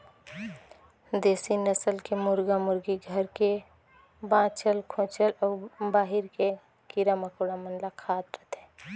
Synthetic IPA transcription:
d̪eːsinəsəlkemʊɾɡamʊɾɡiɡʱəɾke | bãːt͡ʃəlkʰõːt͡ʃəlɔːɾbaːɦiɾke | kiɾaməkoɽamənlakʰaːt̪ɾət̪ɦɛ̃ː

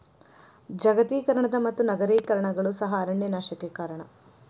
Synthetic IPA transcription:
d͡ʒɐɡɐt̪iːkɐɾɐɳɐd̪ɐmɐt̪ːunɐɡɐɾeːkɐɾɐɳɐɡɐɭusɐɦɐːɾɐɳjɐnaːʃɐkekaːɾɐɳɐ

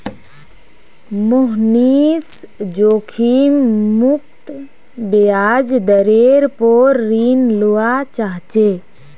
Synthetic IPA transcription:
moɦnis | d͡ʒoːkʰimmuk̚t̪ | bead͡ʒd̪əɾeɾpoɾːinluat͡ʃaɦt͡ʃe

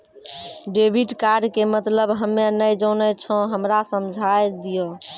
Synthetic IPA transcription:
ɖebʱiʈkaɖkemət̪ləbɦəmːenəjd͡ʒənət͡ʃʰɔ̃ɦəmɾasəmd͡ʒʱajd̪ijo

